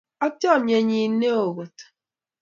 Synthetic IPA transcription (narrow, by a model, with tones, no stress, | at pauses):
ɔ˦tjɔ˦˨ɲe˨ɲi˨˦ne˦o˨ɣo˨t